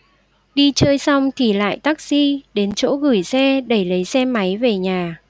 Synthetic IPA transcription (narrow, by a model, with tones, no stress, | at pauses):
ɗi˧t͡ɕəː˧jsa˧wŋ͡mt̪ʰi˨˩la̰ː˧˨jt̪a˦˥k̚z̥i˧ɗe˨˦nt͡ɕo̰˧˥ɣɨ˧˩jsɛ˧ɗə˧˩jlə˨˦jsɛ˧ma˨˦jve˨˩ɲaː˨˩